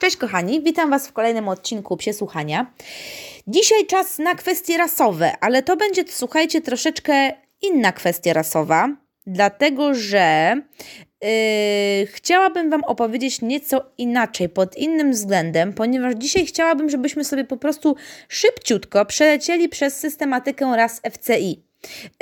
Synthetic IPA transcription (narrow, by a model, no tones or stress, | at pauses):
t͡ʂɛɕkɔxaɲivʲit̪amvasfkɔlɛjnɘmɔt̪̚t͡ɕiŋkupɕɛswuxaɲa | d͡ʑiɕajt͡ʂasnakfɛst̪ʲjɛɾasɔvɛ̰ʔalɛt̪ɔbɛɲd͡ʑɛswuxajt͡ɕɛt̪ɾɔʂɛt͡ʂkɛ | inːakfɛst̪ʲjaɾasɔva | d̪lat̪ɛɡɔʐɛ | xt͡ɕawabɘmvamɔpɔvʲjed͡ʑet͡ɕɲɛt̪sɔinat͡ʂɛjpɔd̪inːɘmvzɡlɛnd̪ɛmpɔɲɛvaʐd͡ʑiɕajxt͡ɕawabɘmʐɛbɘɕmɘsɔbʲjɛpɔpɾɔst̪uʂɘpt͡ɕut̪kɔpʂɛlɛt͡ɕɛlʲipʂɛsːɘst̪ɛmat̪ɘkɛɾasɛft̪sɛi